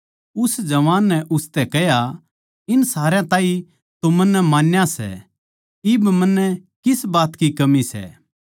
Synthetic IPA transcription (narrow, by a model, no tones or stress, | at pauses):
ʊsd͡ʒɐʋaːnːɛʔʊst̪ɛkɛja | ɪnsaːɾejãt̪ãːĩ | t̪omɐnːɛmaːnjasɛ̰ | ɪbmɐnːɛkɪsbaːt̪kikɐmisɛ̰ː